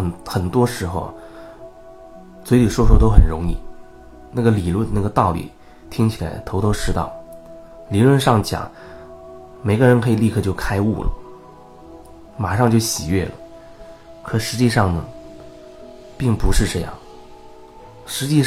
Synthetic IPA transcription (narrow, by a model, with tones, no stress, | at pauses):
nxə˨˩nt̪wɔ˥ʂɻ̩˧˥xo˧ʊ | t͡swe˧˥ɪli˨˩ʂwɔ˥ʂɔ˥t̪o˥ʊxə̰˨˩nɻʊ˧˥ŋḭ˥˩ | na˥˩ɡə˩li˨˩lwə˥˩nə˩na˥˩ɡə˩t̪ɑ˥˩ʊlḭ˨˩ | t̪ʰi˥ŋt͡ɕʰi˨˩la˧˥ɪt̪ʰo˧˥ʊt̪ʰo˥ʊʂɻ̩˥t̪ɑ̰˥˩ʊ | li˨˩lwə˥˧nʂɑ˥˩ŋt͡ɕjɑ̰˨˩˦ŋ | me˨˩ɪɡə˧ɻə˧˥nkʰɤ˧˥i˨˩li˥˧kʰɤ˥˧t͡ɕjo˥˩ʊkʰa˥ɪṵ˥˩lə̰˩ | ma˨˩ʂɑ˥˧ŋt͡ɕjo˥˩ʊɕi˨˩ɥɛ̰˥˩lə̰˩ | kʰɤ˨˩ʂɻ̩˧˥t͡ɕi˥˧ʂɑ˥˩ŋnə˩ | pi˥˩ŋpu˧˥ʂɻ̩˥˧ʈ͡ʂɤ˥˧jɑ̰˥˩ŋ | ʂɻ̩˧˥t͡ɕi˥˧